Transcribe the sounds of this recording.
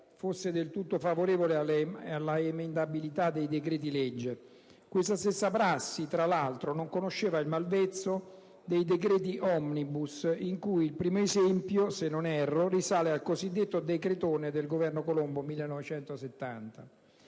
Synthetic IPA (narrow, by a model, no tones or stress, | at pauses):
fosːed̪elt̪ut̪ːofavoɾeːvoleaalːaemend̪abilit̪ad̪ːejd̪ekɾɛːt̪̬ilɛd͡ʒːe | kwest̪ast̪esːapɾasːit̪ɾalalt̪ɾonoŋkonoʃːeːvailmalvet̪sːo | d̪ejd̪ekɾɛːt̪̬iʔɔmnibusiŋkujilpɾiːmoezɛmpjosenːonɛrːorisaːlealkozid̪ːet̪ːod̪ekɾet̪oːned̪elɡovɛrnokolombomilːenːɔvet͡ʃɛnt̪oset̪ːa̰nt̪a